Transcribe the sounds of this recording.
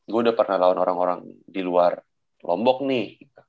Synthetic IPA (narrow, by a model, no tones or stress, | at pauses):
ɡaudapərnahlawanoɾaŋoɾaŋdiluar | lɔmbɔk̚nɪh